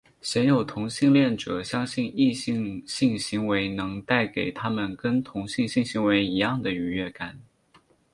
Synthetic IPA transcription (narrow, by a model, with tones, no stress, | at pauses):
ɕɛ˧˥njo˨˩ʊt̪ʰʊ˧˥ŋɕi˥˧ŋljɛ˥˩nʈ͡ʂɤ˨˩ɕjɑ˥ŋɕi˥˧ni˥˧ɕi˥˧ŋɕi˥˩ŋɕi˧˥ŋwe˧˥ɪnɤ˧˥ŋt̪a˥˩ɪke˨˩ɪt̪ʰa˥mə˨˩nkə˥nt̪ʰʊ˧˥ŋɕi˥˧ŋɕi˥˩ŋɕi˧˥ŋwe˧˥ɪi˧˥jɑ˥˩ŋd̪ə˩y˧˥ɥɛ˥˩ka˨˩˦n